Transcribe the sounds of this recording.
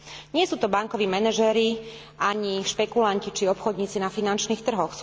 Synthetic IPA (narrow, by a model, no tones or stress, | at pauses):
ɲɪɛsuːt̪ɔbaŋkɔʋiːmɛnɛʒɛɾi | aɲiʃpɛkulancit͡ʃiɔpxɔd̪ɲiːt͡sinafinant͡ʃniːxt̪r̩ɦɔxs